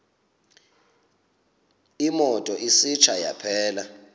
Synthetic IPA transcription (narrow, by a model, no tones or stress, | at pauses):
imɔtʼɔʔisit͡ʃʰaja̰pʰɛːla